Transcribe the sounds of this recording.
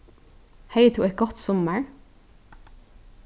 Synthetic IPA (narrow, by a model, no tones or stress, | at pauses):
heɪd̪ʰuːɛt̪̚ɡɔt̪sɔməɹ